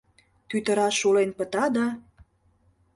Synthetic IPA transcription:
t̪yt̪ə̆ɾɑʃulenpə̆t̪ɑd̪ɑ

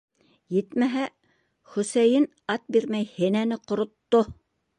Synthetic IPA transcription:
jɘt̪mæɦæ | χɵ̆sæjɘn | ɑt̪̚biɾmæjhɘ̆nænɘqŏɾŏt̪ːo

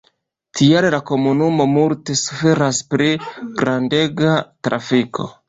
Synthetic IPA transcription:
tʰiallako̞munumo̞multe̞su̥fe̞ɾaspɾiɡɾande̞ɡatɾʔa̰fikʰo̞

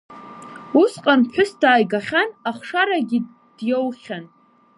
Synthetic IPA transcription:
usqʼanħʷʰᶣʊsdaːjɡaχʲanaχʂaɾaɡʲɪ | d̥jowχʲan

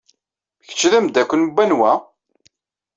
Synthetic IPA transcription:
çə̥t͡ʃːðæmd̪ækʷːənubːænwæ

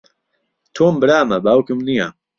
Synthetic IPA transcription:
t̪ʰoːmbɨɾaːmɐbaːwkɪmnija

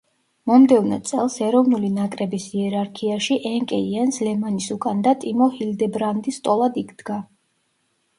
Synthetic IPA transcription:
mɔmd̪ɛvnɛt̪sʼɛlˠsɛɾɔvnulinakʼɾɛbisiɛɾaɾkʰiaʃiʔɛŋkʼɛiɛnslɛmanisukʼand̪at̪ʼimɔhild̪ɛbɾand̪ist̪ʼɔlˠad̪ikʰd̪̥ɡa

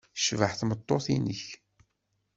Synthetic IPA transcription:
ʃvəħθmət̪ˤːoθinəç

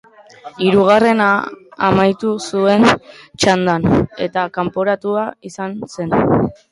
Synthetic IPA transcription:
iɾuɣ̞are̞na̰ːmajt̪usue̞nt͡ʃand̪ane̞̰t̪akampo̞ɾat̪uaisanse̞n

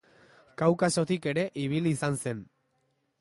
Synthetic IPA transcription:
kawkaso̞t̪ike̞ɾe̞ʔiβ̞iliːsanse̞n

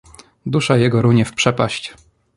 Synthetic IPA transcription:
d̪uʂajɛɡɔɾuɲɛfpʂɛpaɕt͡ɕ

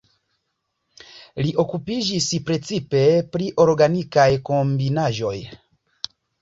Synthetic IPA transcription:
liʔo̞kupiʒispɾe̞t͡sipe̞pɾiʔo̞ɾɡanikajko̞mbinaʒo̞j

